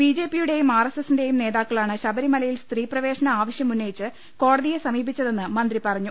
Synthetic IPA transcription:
bid͡ʑe̞ːpːijuɽe̞jumaːresesinde̞jumne̞ːðaːkːɐɭaːɳɨɕɐbɐɾimɐlɐjilst̪riːprɐʋe̞ːɕɐnɐaːʋɐɕjɐmunːɐjit͡ɕːɨ | ko̞ːɽɐðijesɐmiːbit͡ɕːɐðe̞nːɨmɐnd̪ripɐrɐɲːu

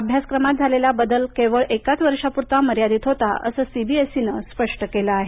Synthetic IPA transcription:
əbʱjaskɾəmat̪̚d͡zʱalelabəd̪əlkeʋəɭekat͡sʋəɾʂapuɾt̪aməɾjad̪iːt̪ɦot̪aə̰səːsibiesinəspəʂʈəkeləːɦe

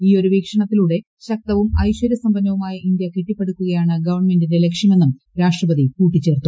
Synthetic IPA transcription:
iːo̞ɾuʋiːkʂɐɳɐt̪ːiluːɽe̞ | ɕɐk̚t̪ɐʋumɐjɕwɐɾjɐsɐmbɐnːɐʋumaːjɐʔind̪jɐkiʈːipːe̞ɽukʲːuɣɐjaːɳɨɡɐʋɐrɳme̞ndinde̞le̞kʂɐme̞nːum | ɾaːʂʈrɐbɐd̪ikuːʈːit͡ɕːe̞ːrt̪ːu

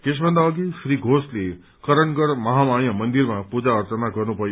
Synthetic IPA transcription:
kɪʃ̬bənd̪aoɡiʃɾiɡʱosli | kəɾəɳɡəɽməɦamaɳ̃jəmənd̪iɾmãpud͡ʒaəɾt͡ʃənaɡʱənũpəj

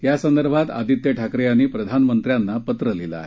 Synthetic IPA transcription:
ɦjasənd̪əɾbʱat̪a̰d̪it̪jəʈʰakɾeañiːpɾəd̪ʱanmənt̪ɾjanːapət̪ɾəlila̰ːɦe

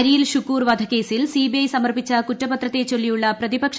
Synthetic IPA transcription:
ɾiːlɕukːuːrʋɐd̪ʱɐke̞ːsilsiːbiɐjsɐmɐrpit͡ɕːɐkutːɐbɐt̪rɐt̪ːe̞t͡ɕolːijuɭːɐprɐðibɐkʂ

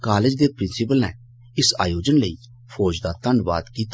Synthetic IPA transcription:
kaːlɪd͡ʒd̪eːpɾɪnsɪpəlnɛ̰ː | ɪsa̰ːjoːd͡ʒənləiː | pʰɔːd͡ʒd̪aːt̪ənʋa̰ːd̪kiːt̪

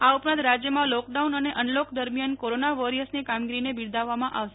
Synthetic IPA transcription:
aupɾãnt̪ɾad͡ʒjəmãlɔkɖaunəneʔənlokʰd̪əɾmjankoɾonaʋɔɾiəsnikamɡiɾinebiɽd̪ʱaʋːamãʔaʋʃe̥

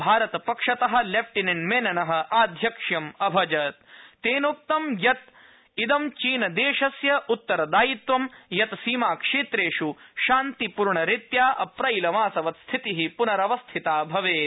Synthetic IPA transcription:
bʱaːɾɐt̪ɐpɐkʂɐt̪ɐɦɐ̆lep̚ʰʈininmeːnɐnɐɦɐ̆ʔaːd̪ʱjɐkʂjɐmɐbʱɐd͡ʒɐt̪t̪eːnup̚t̪ɐmjɐt̪̚ | id̪ɐmt͡ʃiːnɐd̪eːʂɐsjɐut̪ːɐɾɐd̪aːjit̪ʋɐmjɐt̪siːmaːkʂeːt̪ɾeːʂuʃaːnt̪ipuɾɳɐɾit̪jaːʔɐpɾɐjlɐmaːsɐʋɐt̪st̪ʰit̪iɦipunɐɾɐʋɐst̪ʰit̪aːbʱɐʋeː

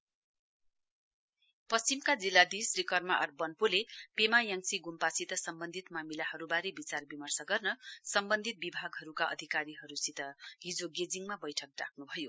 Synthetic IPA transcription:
pʌst͡simkad͡zilːad̪isrikʌrmaʔʌrbʌnpulepemajaŋsiɡumpasit̪ʌsʌmbʌnd̪ʱit̪mamilahʌɾubaɾebit͡sarbimʌrsʌɡʌrnʌsʌmbʌnd̪ʱit̪̚bibʱaɡɦʌɾukaʌ̰d̪ʱikaɾiɦʌɾusit̪ʌɦid͡zoɡed͡ziŋmabʌjʈʰʌk̚ra̰kʰnubʱʌjo

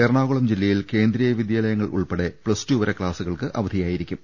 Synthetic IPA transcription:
eːɾɳaːɣuɭɐmd͡ʑilːɐjilke̞ːnd̪ɾijɐjʋid̪jaːlɐjɐŋːɐɭʔṵɭpeɽe̞pɭɐstuːʋɐɾɐkɭaːsuɣɐɭkɨʔʔɐʋɐd̪ʱijaːjiɾikʲːum

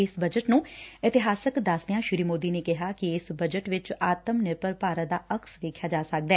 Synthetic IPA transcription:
ɪsbəd͡ʒəʈnũːɪt̪ɪɦaːsəkd̪aːsd̪ɪjãːʃɪɾiːmoːd̪iːneːkɪɦaːkɪɪsbəd͡ʒəʈʋɪt͡ʃaːt̪əmnepəɾpaːɾəd̪aːʔəksʋeːkʰjaːd͡ʒaːsək̚d̪ɛː

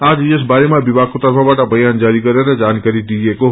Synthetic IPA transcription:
ad͡ʒid͡ʒəsbaɾemãbibakot̪əɾpʰamaʈabʱəjand͡ʒaɾikəɾjened͡ʒankəɾiʈieko

